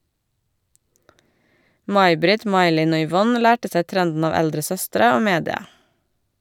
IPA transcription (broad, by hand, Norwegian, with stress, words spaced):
ˈmɑɪ ˈbɾɪt ˈmɑɪ ˈlɪn ˈoː ʏˈʋɔn ˈlæːʈə ˈsæɪ ˈtɾɛndn̩ ˈɑːʋ ˈɛldɾə ˈsœstɾə ˈoː ˈmeːdɪɑ